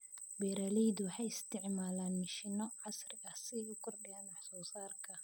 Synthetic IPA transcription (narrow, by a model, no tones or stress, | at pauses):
bɛːɾaːlɛjd̪ʊħɑjɪst̪ʰɪʕmaːlaːnmɪʃɪnɔʕɑsrɪɣɐsɪʊkʰɔrɗɪjɐnwɑħsɔːsaːrkʰɐ